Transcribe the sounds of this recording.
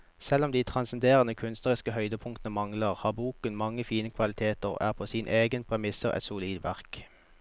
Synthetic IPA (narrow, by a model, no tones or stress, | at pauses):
sɛlɔmd̪iːt̪ʰʁɑnsɛnd̪eːʁənəkʰʉnst̪nəʁɪskəhœʏd̪əpʰʊŋkt̪nəmɑŋləʁhɑːbuːkənmɑŋːəfiːnəkʰʋɑlɪt̪ʰeːt̪əʁæ̰ːʁpʰoːsiːnʔeːɡənpʰʁɛmɪsəʁʔɛ̰t̪sʊliːd̪ʋæʁk